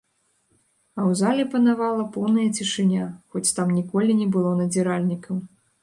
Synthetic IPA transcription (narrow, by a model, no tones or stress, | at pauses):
ɐwzalʲɛpɐnavalˠɐpɔwnɐjɐt͡sʲiʂɨnʲaxɔt͡sʲt̪amnʲikɔlʲinʲɛbɨlˠɔnɐd͡zʲɛɾalʲnʲikɐm